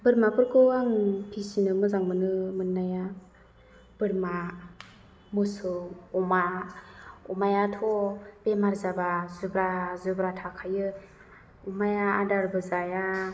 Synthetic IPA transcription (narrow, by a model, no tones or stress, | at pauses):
bɯɾmapɯɾkʰɯwaŋpʰisinɯmɯzaŋmɯnɯmɯnːaja | b̥ɯɾma | mɯsɯwɔma | umajatʰɔb̥emaɾzabazɯbɾazɯbɾatʰakʰajɯ | umajaːdaɾbɯzaja